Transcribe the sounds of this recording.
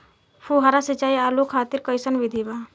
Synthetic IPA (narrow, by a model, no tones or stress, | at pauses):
fʰuɦaɾasit͡ʃaːiaːlukʰaːt̪iɾkəjsənʋid̪ʱiba